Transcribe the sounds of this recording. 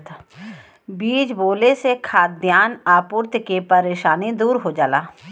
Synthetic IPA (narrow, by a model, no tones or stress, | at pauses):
t̪ː | biːd͡ʒboːlesekʰaːd̪jaːnaːpʊːɾt̪kepəɾeːʃaːnid̪uːɾɦod͡ʒaːlaː